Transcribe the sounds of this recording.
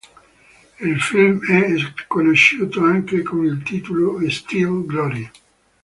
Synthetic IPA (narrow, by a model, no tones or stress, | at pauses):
ilfilmɛkonoʃːuːt̪oaŋkekonilt̪iːt̪oloest̪ivɡlɔɾi